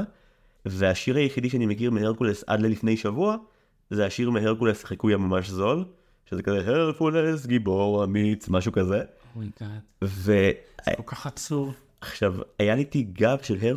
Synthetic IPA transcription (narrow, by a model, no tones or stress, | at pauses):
ve̞aʃiʁajeχid̪iʃ̬eanimekiʁmeheʁkulesa̰dlelifnejʃavua | zeaʃiʁmeɦeʁkulesχekujamamaʃzo̞l | ʃezekazeɦeʁkules̬ɡiboʁamit͡smaʃukaze̞ | vea̰okaasuv | aχʃavajalitiɡavʃelɦe